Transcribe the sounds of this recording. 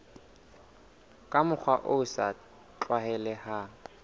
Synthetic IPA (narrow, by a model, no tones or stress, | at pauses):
kʼamʊk͡xʰwaʔʊʊsa | t͡ɬʼwahɛlɛha